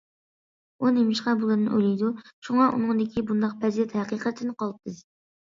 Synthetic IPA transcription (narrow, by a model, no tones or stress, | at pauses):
unemɪʃqɑbulˠɨɨnʔojlijd̪uʃuŋɑʔṵnɨŋd̪ɪkʲʰibund̪ɑq̚pʰɛzt̪hɛqiqʰət̪ʰɪnɪqʰɑlˠp̚t̪ʰːɨz